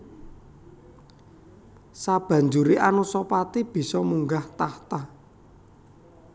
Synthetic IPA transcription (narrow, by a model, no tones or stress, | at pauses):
sab̥ä̤ɲd͡ʒuɾiʔanusɔpat̪ib̥i̤sɔmuŋɡaht̪aht̪a